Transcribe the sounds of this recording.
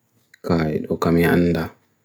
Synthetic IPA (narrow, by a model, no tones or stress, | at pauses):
kaːjɛ̰ɗɔkamia̰nːda